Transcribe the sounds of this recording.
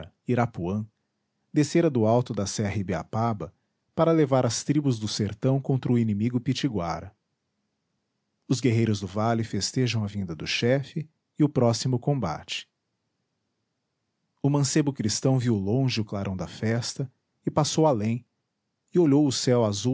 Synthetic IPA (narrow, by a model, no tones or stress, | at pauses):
iɾapuɐ̃ | d̪eseɾɐd̪ʊawt̪ʊd̪ɐsɛɦibea̰pabɐ | paɾɐlevaɾɐst̪ɾibʊzd̪ʊseɾt̪ɐ̃w̃kõnt̪ɾɐʊinĩmiɡʊpit͡ʃiɡwa̰ɾɐ | ʊzɡeɦejɾʊzd̪ʊvalɪfest̪eʒɐ̃w̃ɐvĩnd̪ɐd̪ʊʃɛfɪː | ʊpɾɔsimʊkõba̰t͡ʃɪ̥ | ʊmɐ̃sebʊkɾist̪ɐ̃w̃viwlõʒɪʊklaɾʔɐ̃w̃d̪ɐfɛst̪ɐ | ɪpasowalẽj̃ | ɪoʎowʊsɛwazu